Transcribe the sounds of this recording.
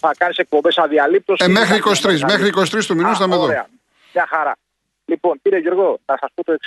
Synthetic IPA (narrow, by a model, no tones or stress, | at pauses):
θakanisek̚pobesaðialip̚t̪osemexɾiːkost̪ɾis̬mexɾiːkost̪ɾist̪uminust̪ɐmeðoɾea̰ | ɲaxaɾa̰ | liponpiɾeʝo̞ɾɣonɾsasput̪oeks